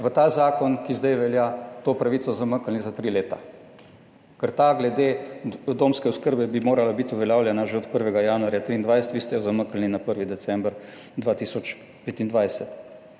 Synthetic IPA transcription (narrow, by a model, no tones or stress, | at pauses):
ʋət̪azaːkɔnkizd̪ɛjʋɛljat̪oːpɾaʋit̪sɔzaməkəlnizat̪ɾiːleːt̪a̰ | kəɾt̪aɡlɛd̪ed̪oːmskɛʊskəɾbɛbimoːɾalabit̪uʋɛljaːwlʲjɛnaʒeɔt̪pəɾʋɛɡajaːnuaɾjat̪ɾiːnd̪ʋajsɛ̥t̪ʋiːst̪ɛjɔzaməkəlninapəɾʋid̪ɛt̪sɛmbɾ | d̪ʋaːt̪iːsɔt͡ʃ | peːt̪ind̪ʋajsɛt̪